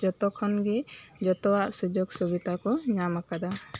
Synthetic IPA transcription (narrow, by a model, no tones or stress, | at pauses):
d͡ʒɔt̪ɔkʰɔnɡid͡ʒɔt̪ɔwaʔsud͡ʒɔɡsubit̪akɔɲamakad̪a